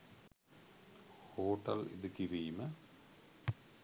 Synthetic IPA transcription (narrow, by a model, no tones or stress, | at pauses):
hoːʈːɐlḭðɨkiriːmɐ